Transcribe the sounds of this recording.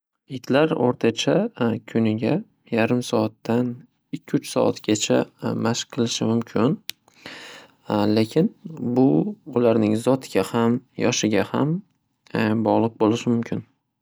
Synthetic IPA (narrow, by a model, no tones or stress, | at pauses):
ɪt̪ʰlaɾo̰ɾt̪ʰat͡ʃʰakʲʰʊnɪɡʲa | jaɾɪmsɒat̪ːan | ɪkʲʰːʊt͡ʃsɒ̰a̰t̪ɡʲat͡ʃʰa̰maʃqqʰːɨlˠɪʃɪmʊmkʲʰɪn | lekʲʰɪnbʊʊlaɾnɪŋzɒt̪ɡʲahamjɒʃɪɡʲaham | bɒʁlˠɨq̚bolɪʃɪmʊmkʲʰɪn